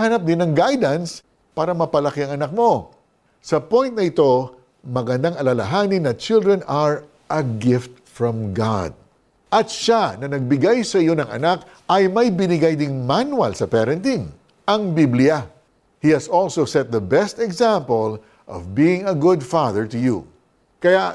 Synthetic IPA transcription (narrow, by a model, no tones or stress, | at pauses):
hɐnap̚d̪ɪnɐŋɡajd̪ɐns | paːɾɐmɐpɐlɐkɪɐŋɐnak̚mo̞ | sɐpõjnt̪̚nɐɪt̪o̞ | mɐɡɐnd̪aŋɐlɐlɐɦanɪnːɐt͡ʃɪlˠd̪ɹɛnɐɹ | ʔɐɡɪft̪̚ | fɹɔ̃mɡa̰d̪̚ | ʔɐt̪ʃanɐnɐɡ̚bɪɡajsɐʔɪjo̞nɐŋɐ̰nak | ɐjmɐjbɪnɪɡajd̪ɪŋmanwɐlsɐpɛɾɐ̃nt̪in | ʔɐŋbiblɪɐ | hihɐsɔlsowsɛt̪̚ðɐbɛst̪ɛɡzãmpəl | ʔɔ̰vbiːɪ̃ŋɐɡʊd̪faðəɹt̪ʊju | kɐja